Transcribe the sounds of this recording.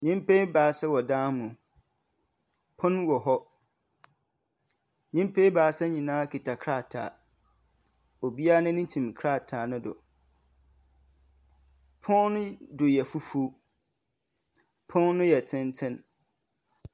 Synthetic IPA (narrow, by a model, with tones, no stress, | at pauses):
ɲɪ̃˦m˦pʰe˦baː˨sɛ˦wɔ˨dãː˦mũ˨ | pʰʊ̃˦nwɔ˨ɦɔ˦ | ɲĩ˦m˦pʰe˦baː˨sɛ˦ɲĩ˨nãː˦kʰi˨tʰa˨kʰɾa˦˨tʰa̰ː˨ | o˨bi˦a˦nʊ̃˦nɪ̃˦tʰĩ˨m˨kʰɾa˦˨tʰaː˨nʊ̃˦dʊ̰˨ | pʰʊ̃˦nnʊ̃˦dʊ˨jɛ˨fu˦fu˦ | pʰʊ̃˦nnʊ̃˦jɛ˨tʰɪ̃˦ntʰɪ̃˦n